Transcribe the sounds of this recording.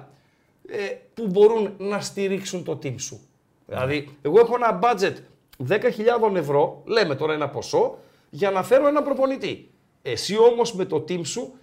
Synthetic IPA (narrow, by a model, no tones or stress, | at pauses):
epubo̞ɾunːɐst̪iɾiksunt̪o̞t̪imsṵ | ðḭlɐ̰ðie̞ɣo̞e̞xoenɐbɐd͡ze̞t̪ | ðe̞kɐçiʎɐðo̞ne̞vɾo̞le̞me̞t̪o̞ɾɐe̞nɐpo̞so̞ | ʝɐnɐfe̞ɾoe̞nɐpɾo̞po̞nit̪i | e̞sio̞mo̞zme̞t̪o̞t̪imsu